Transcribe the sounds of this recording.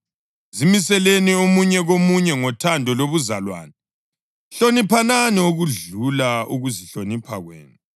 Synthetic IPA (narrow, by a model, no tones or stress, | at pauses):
zimisɛleniomuɲɛɣomuɲɛŋɔtʰandʱɔloβuzalwa̰ːnɛ | ɬonipʰananɛuɣuɮulauɣuziɬonipʰa̰ɣwḛːnu